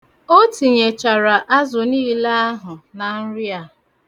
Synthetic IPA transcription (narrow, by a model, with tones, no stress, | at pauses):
o˦ti˨ɲe˨t͡ʃa˨ɾa˨ʔa˦zʊ˨niː˦la˦a˦ɦʊ˨na˨n̩˦ɾja˨